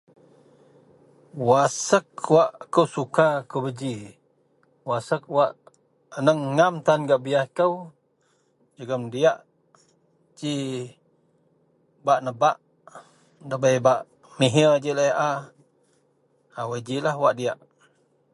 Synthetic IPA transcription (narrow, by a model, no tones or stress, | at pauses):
wasək̚waʔkəwsukakəbəd͡ʒi | wasək̚waʔ | ənəŋːamt̪anɡaʔbijahkəw | d͡ʒəɡəmdiaʔ | d͡ʒi | baʔnəbaʔ | dəbəjbaʔ | miɦəd͡ʒiləjʔa | awəd͡ʒilahwaʔdiaʔ